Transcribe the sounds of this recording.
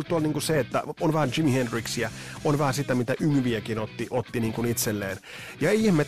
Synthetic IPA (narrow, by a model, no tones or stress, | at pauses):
lt̪uolniːŋkuseet̪ːæ̰onʋæhænd͡ʒimihendriksijæonʋæhæsit̪æmit̪æʔymʋiækinot̪ːiʔot̪ːiniːŋkunit̪selːeːn | jɑeiihmet̪